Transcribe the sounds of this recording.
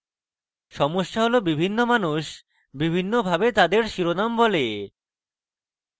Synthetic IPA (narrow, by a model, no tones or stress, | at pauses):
ʃɔmoʃːaɦolobibʱinːomanuʃ | bibʱinːobʱabet̪ad̪eɾʃiɾonambɔle